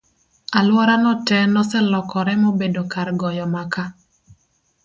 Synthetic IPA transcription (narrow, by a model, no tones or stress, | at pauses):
alwɔɾanɔtɛnɔsɛlɔkɔɾɛmobedokaɾɡɔjɔmaka